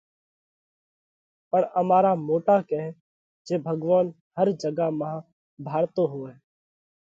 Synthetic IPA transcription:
pəɳəmaːɾaːmoːʈaːkɛɦ | d͡ʒeːbʱəɡʋaːn | həɾd͡ʒəɡaːmãː | bʱaːɽt̪oːɦoːɛː

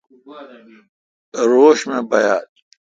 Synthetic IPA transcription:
ɾoːɕmẽbɐjaːt̪

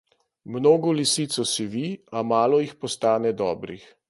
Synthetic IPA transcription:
mnoːɡɔlisiːt̪sɔsiʋiamaːlɔjixpɔst̪aːnɛd̪ɔːbɾix

